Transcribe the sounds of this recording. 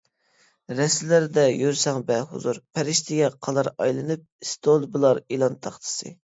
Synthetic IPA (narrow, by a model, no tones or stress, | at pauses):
ɾɛslɪɾd̪ɛjøɾsɑŋbɛhṵzuɾpʰɛɾɪʃt̪ʰɪɡʲɛqʰɑlˠɑɾɑ̰jlˠɨnɨp̚ist̪ʰolˠbɨlˠɑɾilˠɑnt̪ʰɑχt̪ʰɨ̥sɨ̰